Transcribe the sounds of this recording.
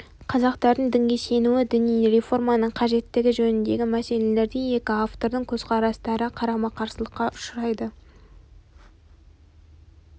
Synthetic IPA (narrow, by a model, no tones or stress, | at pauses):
qʰɑzɑqt̪ɑɾd̪əɴd̪ɪŋɡʲe̞se̞nuwɪd̪ʏnijɾe̞fo̞rmɑnəɴqʰɑʒe̞t̪ːɪɡʲɪʒɵnɪnd̪e̞ɡʲɪmæse̞le̞le̞ɾd̪eje̞kʲɪaft̪o̞ɾd̪əɴkʲʰɵzqʰɑɾɑst̪ɑɾəqʰɑɾɑmɑqʰɑɾsəlˠəqːɑʊʃəɾɑjd̪ə